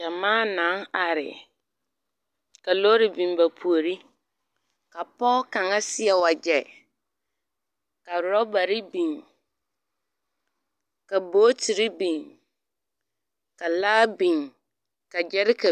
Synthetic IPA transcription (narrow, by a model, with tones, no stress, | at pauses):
a˨mãː˦nã˨˦a˨ɾɪ̰˨ | ka˨lo˦ɾɪ˨bĩ˨mba˨pʰu˨o˨ɾi˦ | ka˨pɔ˦kã˨ŋa˦sɪ˦ɛ˨wa˨d͡ʒɛ˨ | ka˨ɾʊ˨ɾɔ˦ba˨ɾɪ˦bĩ˨n | ka˨boː˦tʰi˨ɾi˦bĩ˨ŋ | ka˨laː˦bĩ˨ŋ | ka˨d͡ʒɛ˦ɾɪ˦kʰa˨